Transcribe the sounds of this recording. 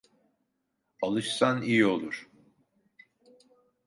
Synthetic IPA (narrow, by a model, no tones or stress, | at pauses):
alˠɯʃsanijio̞lˠuɾ̥